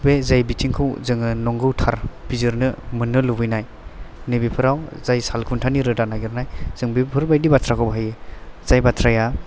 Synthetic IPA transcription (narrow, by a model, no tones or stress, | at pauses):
bezajbitʰiŋkʰɯwzɯŋɯnɔŋɡɯwtʰaɾb̥izɯɾnɯmɯnːɯlubɯjnaj | nɯbipʰɯɾawz̥ajsalkʰuntʰaniɾɯdanaɡiɾnajz̥ɯŋbipʰɯɾbajdibatʰɾakʰɔbɦajez̥ajbatʰɾaja